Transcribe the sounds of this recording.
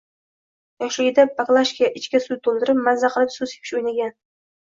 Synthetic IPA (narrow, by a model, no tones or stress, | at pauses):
jɒʃlɪɡʲɪd̪apaklˠaʃkʲiaʔɪt͡ʃkʲasujt̪ʰolˠd̪ɪɾɪpmanzaqʰəlˠɪpsʊze̥pʰɪʃojnaɡʲan